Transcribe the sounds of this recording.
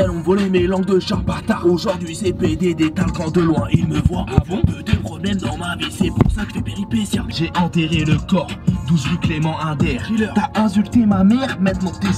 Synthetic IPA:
ɛlɔ̃vɔlɛmelɑ̃ɡ̚d̪əʃaʁpat̪aʁoʒɔʁd̪ɥiʒepøed̪ed̪et̪akɑ̃d̪əlwɛ̃eilməvwamɔ̃pəd̪eʁəmɛnd̪ɑ̃mavisɛpuʁsakə̥t̪ɛpeʁipesjãʒeʔɑ̃t̪eʁeləkɔʁd̪uziklemɑ̃ɛ̃d̪ɛʁt̪yaɛ̃s̬ylt̪emamɛʁmɛ̃t̪nɑ̃t̪e

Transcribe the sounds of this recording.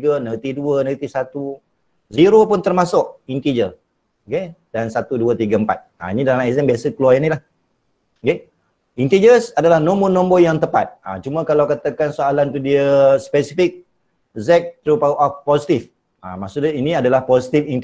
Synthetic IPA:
ɡənət̪iduənət̪isat̪u | ziɾopʊnt̪ərmasʊʔint̪id͡ʒə | kedansat̪uduət̪iɡəəmpa̰t̪̚a̰inidalaamɛzɛmbiasəkluwaanilah | ke | int̪id͡ʒəsadalahnõmbonɔ̃mbojaŋt̪əpa̰t̪̚a̰t͡ʃumə̃kalawkat̪akansoalant̪udiəspɛsifik̚ | zɛk̚t̪ɾupauʔɔfpɔsit̪if | a̰masudiniadalahpɔsit̪ifint̪

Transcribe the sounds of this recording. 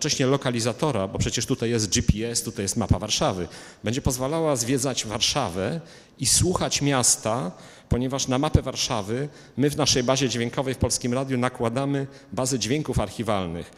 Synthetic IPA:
t͡ʂɛɕɲɛlɔkalʲizat̪ɔɾabɔpʂɛt͡ɕɛʂt̪ut̪ajɛs̬t̪̚d͡ʒipʲiɛst̪ut̪ajɛst̪mapavaɾʂavɘ̰ | bɛɲd͡ʑɛpɔzvalawazvʲjɛd̪zad͡ʑvaɾʂavɛ | iswuxat͡ɕmʲast̪a | pɔɲɛvaʂnamapɛvaɾʂavɘ | mɘvnaʂɛjbaʑɛd͡ʑvʲjeŋkɔvɛjfpɔlskʲimɾad̪ʲjunakwad̪amɘ | bazɛd͡ʑvʲeŋkufaɾxʲivalnɘ̰x

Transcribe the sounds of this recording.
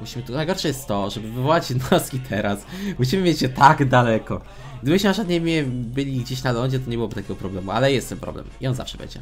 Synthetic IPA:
muɕimɘt̪najɡɔɾʂɛjɛst̪ːɔʐɛbɘvɘvɔwat͡ɕɛd̪naskʲit̪ʰɛɾasmuɕ̬imɘmʲjet͡ɕjɛt̪aɡd̪alɛkɔ | ɡɡd̪ɘbɘɕmaʂad̪ɲemʲɛbɘlʲiɡd͡ʑeɕnalɔd͡ʑɛt̪̬ɔɲɛbɨwɔbɘt̪akʲɛɡɔpɾɔblɛmualɛjɛst̪ɛmpɾɔ̰blɛ̰miɔnza̰fʂɛbɛ̰ɲd͡ʑɛ̰

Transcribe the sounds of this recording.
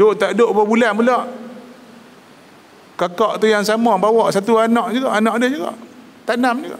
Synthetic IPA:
doʔt̪aʔdoʔbəbulanpulɔʔ | kakɔʔt̪ujaŋsamɔbawɔʔsat̪uanɔʔd͡ʒuɡɔʔanɔʔadəhd͡ʒuɡɔ̰ʔ | t̪anamd͡ʒuɡɔ̰ʔ

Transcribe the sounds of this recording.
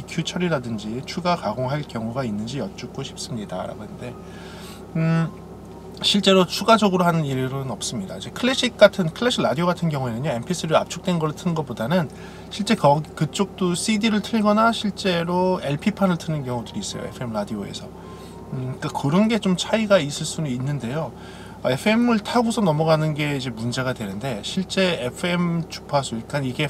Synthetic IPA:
pikʰjut͡ɕʰʌɾiɾadɯnd͡ʑit͡ɕʰuɡakaɡoŋɦaɭkjʌŋuɡainːɯnd͡ʑijʌt͡ɕ͈uk̚k͈oɕʰi̥p̚s͈ɯmɲida̰ɾa̰ɡoande̞ | ɕʰiɭt͡ɕ͈e̞ɾot͡ɕʰuɡad͡ʑʌɡɯɾoɦanɯniɾɾɯnʌp̚s͈ɯmɲidaid͡ʑekʰɯɭːeɕ͈ʰik̚k͈atʰɯnkʰɯɭːeɕʰiɾadioɣɡatʰɯnkjʌŋue̞nɯɲːoe̞mpʰes͈ʰɯɾia̰p̚t͡ɕʰok̚t͈we̞nɡʌɾɯɭtʰɯnɡʌp͈odanɯn | ɕʰiɭt͡ɕ͈e̞kʌɡikɯt͡ɕ͈ok̚t͈os͈ʰidiɾɯɭtʰɯɭɡʌnaɕʰiɭt͡ɕ͈e̞ɾoe̞ɭpʰipʰanɯɭtʰɯnɯnkjʌŋudɯɾiːs͈ʌjo̰ḛpʰɯemɾadio̰e̞̰sʰʌ | k͈akɯɾʌnɡe̞t͡ɕomt͡ɕʰaiɡais͈ɯɭs͈unuinːɯnde̞jo | ʌe̞pʰɯe̞mɯɭtʰaɡusʰʌnʌmʌɡanɯnɡe̞id͡ʑe̞mund͡ʑe̞ɡadwe̞nɯnde̞ɕʰiɭt͡ɕ͈e̞epʰɯe̞mt͡ɕu̥pʰasʰoik͈aniɡe̞

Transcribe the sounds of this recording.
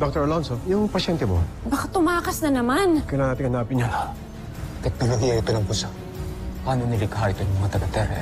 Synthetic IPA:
d̪ok̚t̪ɛɹlonsojʊŋpɐʃɛnt̪ɛmobɐkat̪ʊmaːkɐsnɐnɐmankɐjlaŋɐnat̪ɪŋhɐnaːpɪɲaʔ | t̪ɛk̚noloɦijɐɪt̪onɐŋpʊsa | paːnonɪlɪkɦaʔɪt̪onʊŋmɐŋat̪ɐɡɐt̪ɛɾɛ̰

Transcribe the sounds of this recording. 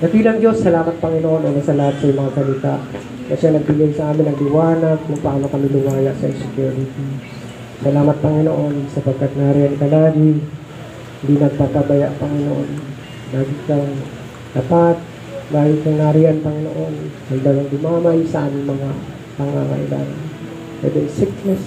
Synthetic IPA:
ɡ̪ɐt̪iːlɐŋd͡ʒo̞sːɐlaːmɐt̪̚pɐŋɪnoʔo̞nʔoːnɐsɐlɐhat̪̚sɐjʊmɐŋakɐlit̪aʔ | kɐʃanɐɡ̚bɪɡajsɐʔaːmɪnːɐɡlɪwaːnɐɡ̚kʊŋpaːno̞kɐmɪlʊmaːjaʔsɐʔɪsɛkjuːɾɪt̪i | sɐlaːmɐt̪̚pɐŋɪnoʔo̞nsɐpɐɡ̚kːat̪̚naːɾɪjankɐlaːɡɪ | hɪnd̪inɐɡ̚papabɐjaʔpɐŋɪnoʔon | laːɡɪkɐŋ | d̪ɐpat̪̚ | laːɡɪkɐŋnaːɾɪʔanpɐŋɪno̰ʔo̞nhɐɡd̪alaŋɡ̪ʊmaːmɐʔɪsɐʔaːmɪŋmɐŋa | pɐŋa̰ŋɐ̰ʔɪ̰la̰ːŋa̰n | pɛ̰d̪ɛsɪknɛs

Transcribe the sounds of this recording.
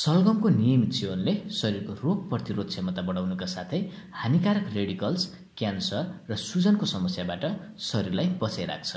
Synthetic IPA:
sʌlɡʌmkonijʌmit̪t͡sʰionlesʌɾirkoroɡ̚prʌt̪iɾod̪semʌt̪abʌɽawnukasat̪ʰʌj | hanikaɾʌkreɽikʌls | kjansʌrːʌsud͡zʌnkosʌmʌsjabaʈʌsʌɾirlajbʌsajɾa̰k̚t͡sʰʌ

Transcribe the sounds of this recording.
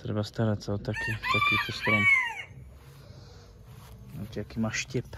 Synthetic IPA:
t̪ɾɛ̰bast̪aɾat̪saot̪akift̪akiːt̪ost̪ɾon | ot̪jakimaʃcɛp

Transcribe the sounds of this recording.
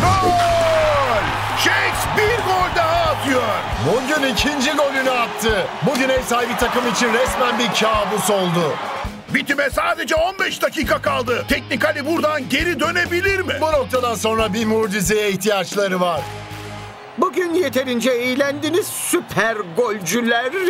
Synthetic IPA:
ɾoɡoɾʲ | ʃeksbiɾɡolʲd̪aɦaːt̪ʰɯjoɾ̥buɟynicʰind͡ʒiɡo̞lʲynyak̚t̪ʰɯbud̪inɛjsabit̪ʰakɯmit͡ʃʰinɾɛsmænbiɾcʰaːbuso̞lˠd̪ʊ | bit̪ʰimɛsaːd̪e̞d͡ʒɛo̞nbɛʃd̪acʰiːkʰakalˠd̪ɯt̪ʰɛcnikalʲibuɾd̪anɟe̞ɾid̪ø̞ne̞bilʲiɾmibuno̞k̚t̪ʰad̪anso̞nɾabimuɾd͡ʒizejɛiçt̪ʰijat͡ʃlˠaɾɯvaɾ̥ | buɟynjet̪ʰe̞ɾind͡ʒɛejilʲænd̪iniz̥sypʰæɾɡolʲd͡ʒylʲæɾ

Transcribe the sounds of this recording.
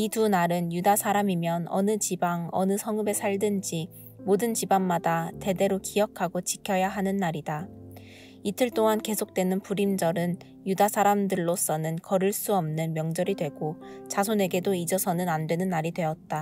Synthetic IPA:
itunaɾɯnjudasʰaɾamimjʌnʌ̰nɯt͡ɕibaŋʌnɯsʰʌŋɯbe̞sʰaɭdɯnd͡ʑi | modɯnt͡ɕibaŋmadate̞de̞ɾokijʌkʰaɡot͡ɕikʰjʌjaɦanɯnːaɾida | itʰɯɭt͈oŋanke̞sʰok̚t͈we̞nɯnpuɾimd͡ʑʌɾɯn | judasʰaɾamdɯɭːos͈ʌnɯnkʌɾɯɭs͈uʌmnɯnmjʌŋd͡ʑʌɾidwe̞ɡot͡ɕasʰone̞ɡe̞doid͡ʑʌsʰʌnɯnandwe̞nɯnːaɾidwe̞ʌt̚t͈a

